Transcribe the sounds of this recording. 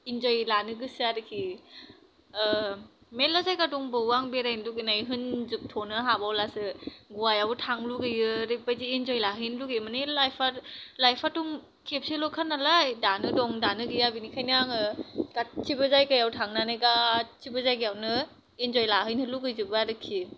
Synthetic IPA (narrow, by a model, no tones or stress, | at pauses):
inzojlanɯɡɯsɯaɾɯkʰi | melazajkadɔŋbɯwaŋbeɾajnluɡenajɦɯnzɯp̚tʰɔnɯɦabawlasɯɡuajawtʰaŋluɡɯjɯɾɯpajziːnzɔjlaɦɯjnluɡemanelajpʰaɾlajpʰatuŋ | kʰep̚selɔkʰanːalajdanɯdɔŋdanɯɡɯjabinikʰajnaŋɯɡat͡ʃʰibɯzajkajawtʰaŋnanɯjɡatʰibɯzajɡijawnɯ | inzɔjlaɦɯjnɯluɡɯjzɯbɯaɾɯkʰi